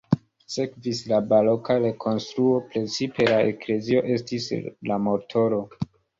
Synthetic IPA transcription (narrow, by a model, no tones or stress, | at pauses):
se̞kvislabalokaɾe̞kʰo̞nstɾuo̞pɾe̞t͡sipe̞laekle̞zio̞ʔe̞stislamo̞tʰo̞ɾo̞